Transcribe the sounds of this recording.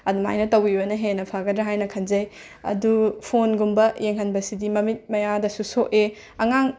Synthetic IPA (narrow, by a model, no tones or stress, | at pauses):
ɐduma̰jnɐtɐwibɐnɐɦenɐpʰaɡɐdɾɐɦajnɐkʰɐnzɐj | ɐ̰dupʰonɡumbɐjʔeŋɦɐnbɐsidimɐmit̚mɐjadɐsusoʔe | ɐŋaŋ